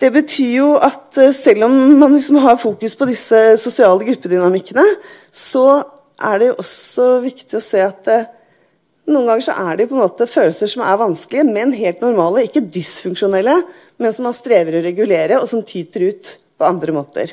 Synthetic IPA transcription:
d̪̥ɛbət̪ʰyːɾjʊʔɑt̪sɛlːɔmːɑnlɪksɔmɦɑɾfuːkʉspʰɔd̪ɪsːəsʊsɪɑːləɡɾʉpːəd̪ʏnɑmɪkːənə | sɔ | ʔæɖɛjʊʔɔsɔʋɪkt̪ɪɔseːɑt̪̚d̪ɛ | nuːənɡɑŋːəʂɔ̰ʔæɖɛʊpʰɔɛnmoːt̪əføːlsəʂɔmæ̰ɾʋɑnsklɪəmɛnɦeːlt̪nʊɾmɑːləɪkːəd̪ɪsfʉŋkʂʊnɛlːə | mɛnsɔmhɑʂt̪ɾeːʋəɾɔɾɛɡʉleːɾəɔsɔmt̪ʰyːt̪əɾʉːt̪pʰɔɑnd̪ɾəmoːt̪ə̰ɾ

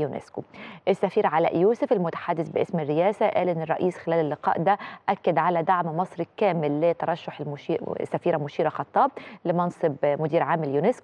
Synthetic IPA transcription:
junʔḛskoʔɪsːæfiːɾʕalæ̰ʔjuːsʊfɪlmʊt̪ḁħad̪ːɪθbɪʔɪsmɪrːɪjæːsaʔæ̰ːlʔɪnːɨrˤɑ̰ʔiːsxɪlæːlɪlːɪqɑ̰ːʔd̪æʔækːad̪ʕalæd̪aʕmmɑsˤɾikæːmɪlːɪt̪ɑɾˤɑʃːʊħlmʊʃisːæfiːɾamʊʃiːɾɑxɑt̪ˤːɑːb̚lɪmɑnsˤɨbmʊd̪iːɾʕaːmɪljunesk

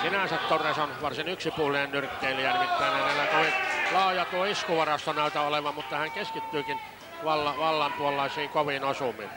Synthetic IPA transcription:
sinæsæt̪t̪oresonʋɑrsinyksipuːlːˑinennyrkːeːlːijærʋit̪ːæˑenænæˑilːˑæt̪oilɑˑojɑt̪uoiskuʋɑrɑst̪onæˑyt̪æoleʋɑmmut̪ːɑhæŋkeskit̪ːyːkin | ʋɑlːɑʋɑlːɑmpuolɑˑisiːŋkoʋinosumˑḭn

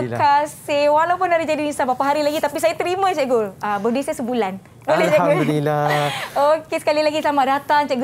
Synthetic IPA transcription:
kasewalawpʊnaɾid͡ʒadinisabapaɦaɾilaɡit̪apisajat̪ɾimə̃t͡ʃɛʔɡoəbədesasəbulan | olelt͡ʃɛaɡolilːaokesə̥kalilaɡislamadat̪ant͡ʃɛʔɡ

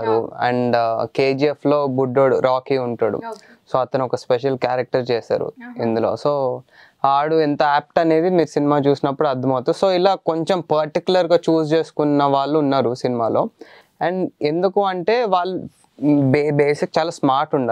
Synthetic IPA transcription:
ɾuɐ̰ɳɖkeːd͡ʒiepʰlo̞ːbuɖːoːɽuɾaːkiːuɳʈaːɽṵ | soːɐt̪ɐnɔkɐspeʃ̬ɐlkjaːɾɐk̚ʈɐɾt͡ʃɛːsa̰ːɾṵind̪ulo̰ːsoː | aːɽuent̪ɐaːp̚ʈɐne̞ːd̪imiːɾusinimaːt͡ʃuːsinɐpːuɽuɐɾd̪ʱːɐmɐwt̪uso̞ːilaːko̞ɲt͡ʃempɐɾʈikjulɐɾɡaːt͡ʃuːst͡ʃe̞ːsu̥kunːɐʋaːɭːuːnːaːɾusinimaːlo̞ː | ɐɳɖe̞nd̪ukuɐɳʈe̞ːʋaːɭːu | bbeːsik̚t͡ʃaːlaːsmaːɾʈuɳɖa

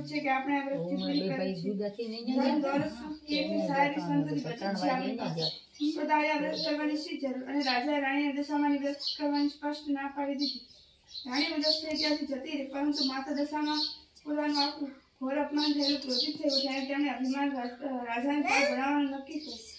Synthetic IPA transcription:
t͡ʃʰekeapɽ̃eaʋɾəst̪ikonikəɾed͡ʒəɾũd̪ɔɾəksʰukekisaɾisənt̪nibət͡ʃət͡ʃʰiaʋee | sot̪ajaʋɾəst̪kəɾʋanist͡ʃid͡ʒəɾuɾəneɾad͡ʒaeɾaɽ̃iod̪əʃamãniʋɾəskəɾʋanispəʃʈnapʰaʋid̪id̪i | ɾaɽ̃iod͡ʒ̪əst̪əeit̪iɦasid͡ʒət̪iɾepəɾənt̪umat̪ad̪əʃamãpot̪anũapɡʱoɾəpnant̪ʰəelũpɾot͡ʃit̪t̪ʰːəɦud͡ʒ̪janẽt̪jãneəbʱimanɾad͡ʒanebaɾbəñaʋanũnəkːit̪ʰe

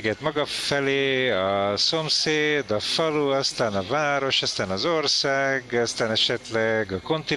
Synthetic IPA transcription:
ɡɛt̪mɒɡɒfɛleːɒso̞mseːd̪ɒfɒluɒst̪aːnɒvaːɾo̞ʃɒst̪aːnɒzo̞rsaːɡɒst̪aːnɛʃɛt̪lɛɡɒko̞nt̪i

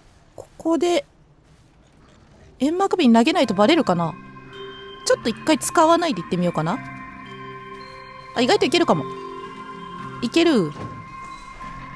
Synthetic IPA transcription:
kʰo̞̥ko̞d̪e̞ | ẽmːakɯ̟bʲiɲ̟ːnaɡe̞nait̪o̞baɾe̞ɾɯ̟kana | t͡ɕo̞t̪ːo̞ikːait͡sɨ̥kaβanaid̪e̞it̪ːe̞mʲijo̞ːkana | aiɡait̪oike̞ɾɯ̟kamo̞ | ike̞ɾɯ̟

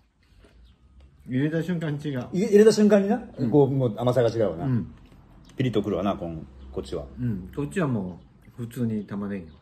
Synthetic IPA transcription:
iɾet̪aɕɨ̃ŋkãɲt͡ɕiɡaiiɾet̪aɕɨ̃ŋkãɲ̟ːinakoːmoːamasaɡat͡ɕiɡaɯβa̰na | pʲiɾʲit̪okɯ̟ɾɯβa̰nakõŋkot͡ɕiβa̰ɯ̃sot͡ɕiβamoː | ɸɯ̟t͡sɨːɲ̟it̪amanaijo

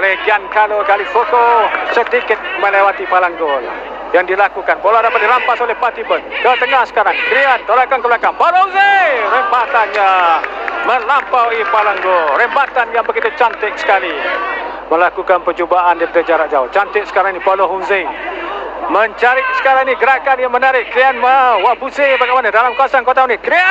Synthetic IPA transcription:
olɛhɡiankalokalifokosət̪ikɪt̪̚məlewat̪ipalaŋɡola̰ | jaŋdilakukanpoloadapat̪̚diɾampasolɛhpat̪ibənɡawat̪əŋahsə̥kaɾaŋkɾiant̪olakankəlakanpawloɦuŋzerəmbat̪anɲa | məlampawipalaŋɡoɾəmbat̪anjaŋbəɡit̪ut͡ʃant̪ɪksə̥kali | məlakukanpəd͡ʒubaʔandaipadad͡ʒaɾaʔ̚d͡ʒawt͡ʃant̪ɪksə̥kaɾaŋinipaloɦuŋze | məɲt͡ʃaɾɪk̚sə̥kaɾaŋiniɡəɾakanjaŋmənaɾɪʔ̚kɾianmawaʔbusebaɡamanadalamkuasaŋkot̪amanɪt̪̚kɾia

